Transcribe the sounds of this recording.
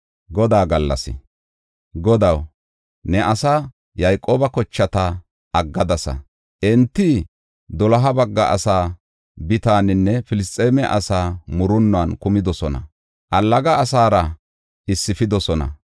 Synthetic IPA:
ɡɔd̪aːɡɐlːɐ̰sɪ̰ | ɡɔd̪ɐw | nɛʔɐsaː | jɐjkʼoːbɐkɔt͡ʃːɐt̪ɐ | ʔɐɡːɐd̪ɐsɐ̰ | ʔɛnt̪ːɪ | d̪ɔlɐɦɐbɐɡːɐ̰ʔɐ̰saː | bɪt̪aːnɪnːɛfɪlɪst̪ʼːeːmɛʔɐsaːmʊɾʊnːʊɐːnkʊmɪd̪ɔsɔnɐ̰ | ʔɐlːɐɡɐːsaːɾɐ | ʔɪsːɪfɪd̪ɔsɔnɐ̰

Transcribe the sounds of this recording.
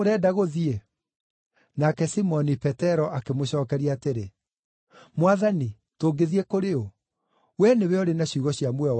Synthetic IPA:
oɾɛdaɣoðie | nakɛsimɔnipɛtɛɾɔʔakemoɕɔːkɛɾiateɾe | mwaðani | toːɡeðiɛkoɾeo | wɛneweɔɾenaɕuɣɔɕiamwɛ

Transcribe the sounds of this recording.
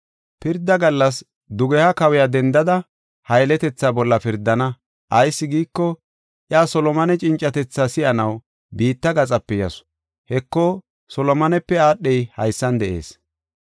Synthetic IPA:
pɪɾd̪ːɐɡɐlːɐs̬ | d̪ʊɡɛhɐkɐwɛjaːd̪ɛnd̪ɐd̪ɐ | hɐjlɛt̪ɛt͡sːaːbɔlːɐpɪɾd̪ːɐnɐ | ʔɐjsːɪɡiːkːɔ | ʔjaːsɔlɔmɐnɛt͡ʃʼɪnt͡ʃʼːɐt̪ɛt͡sːaːsɪʔɐnɐw | biːt̪ːɐɡɐt͡sʼɐpːɛjɐ̰s | hɛkːɔ | sɔlɔmɐnɛpːɛaːɗːɛjhɐjsːɐnd̪ɛʔe̞̰ːs

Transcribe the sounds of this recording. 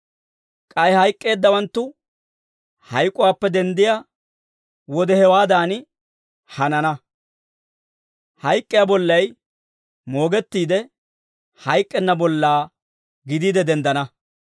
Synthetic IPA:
kʼɐjhɐjkʼːe̞ːd̪ːɐwɐnt̪ːʊ | hɐjkʼːʊwaːpːɛd̪ɛnd̪ɪja | wɔd̪ɛhɛwaːd̪aːnɪ | hɐnɐnɐ | hɐjkʼːɪjabɔlːɐj | mo̞ːɡɛt̪ːiːd̪ɛ | hɐjkʼːɛnːɐbɔlːaː | ɡɪd̪iːd̪ɛd̪ɛnd̪ɐnɐ

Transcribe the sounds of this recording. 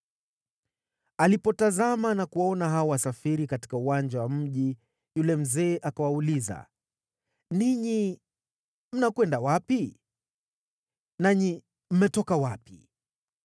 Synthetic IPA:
alipɔtazamanakuwaɔnaɦaɔwasafiɾikati̥kauwand͡ʒawam̩ʄi | julɛm̩zɛːʔakawauliza̰ | niɲi | m̩nakwɛndawapi | naɲi | m̩mɛtɔkawapi

